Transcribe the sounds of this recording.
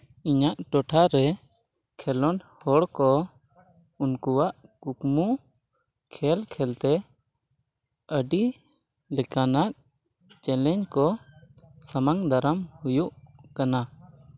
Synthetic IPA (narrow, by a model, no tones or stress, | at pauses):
iɲaʔʈɔʈʰaɾɛ | kʰɛlɔɳhɔɽkɔ | unkuwaʔkukmu | kʰɛlkʰɛlt̪ɛ | əɖi | lɛkanak̚ | t͡ʃɛlɛɲd͡ʒkɔ | samaŋd̪aɾəmhujuʔkana